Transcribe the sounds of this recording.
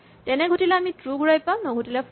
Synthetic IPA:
tɛnɛɡʱutilɛamitɹuɡuɹajpãʊnɔɡʱutilɛp

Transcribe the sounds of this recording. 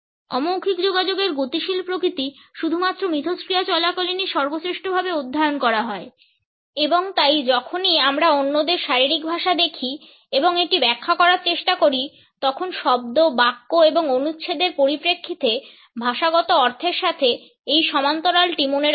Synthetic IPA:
ɔ̰mowkʰikd͡ʑoɡad͡ʑoɡeɾɡot̪iʃilpɾokɾit̪iʃud̪ʱumat̪ːɾomit̪ʰoskɾijat͡ɕɔlakoliniʃɔɾbosɾeʃʈobʱabeud̪ʱːaeonkɔɾaɦɔe | eboŋt̪ajd͡ʑɔkʰoniamɾaonːod̪eɾʃaɾiɾikbʱaʃad̪ekʰi | eboŋeʈibɛkʰːakɔɾaɾt͡ɕeʃʈakoɾi | t̪ɔkʰonʃɔb̚d̪obakːoeboŋonutːʃʰed̪eɾpoɾipɾekʰːit̪e | bʱaʃaɡɔt̪oɔɾt̪ʰeɾʃat̪ʰe | ejʃɔmant̪oɾalʈimuneɾ

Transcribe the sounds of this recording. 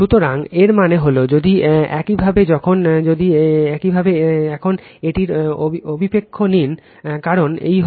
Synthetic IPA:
ʃut̪oɾaŋeɾmaneɦolod͡ʑod̪iɛ̰kibʱabed͡ʑɔkʰond͡ʑod̪iɛkibʱabeɛkʰoneʈiɾoobʱipekʰːonin | kaɾonḛjɦ

